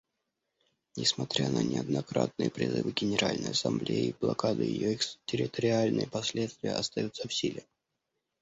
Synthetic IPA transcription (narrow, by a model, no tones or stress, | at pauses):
nʲɪsmɐt̪ɾʲanʔənʲɪɐd̪nɐkɾat̪̚nɨjəpɾʲɪzɨvɨɡʲɪnʲɪɾalʲnə̰jɐsɐmblʲejɪːblˠɐkad̪ɨjɪ̰joikstʲɪɾʲɪt̪əɾʲɪalʲnɨjəpɐsʲlʲet̪st̪vʲɪjəɐst̪ɐjut̪səfsʲilʲɪ